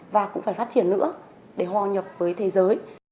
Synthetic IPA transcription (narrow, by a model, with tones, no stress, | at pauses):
vaː˨˩kʊ̰˧˥ŋ͡mfaː˧˩jfa˦˥t̚t͡ɕi˧˩ənːɨ̰˧˥ə | ɗe˧˩ɦwaː˧˩ɲə˨˩p̚vəː˨˦jt̪ʰe˨˦zəː˨˦j